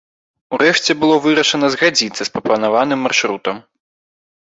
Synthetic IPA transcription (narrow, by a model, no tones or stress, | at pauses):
uɾɛʂt͡sʲɛbɨlˠɔvɨɾɐʂɐnɐzɣad͡zʲit̪sːɐspɾɐplˠɐnavanɨmːarʂɾut̪ɐm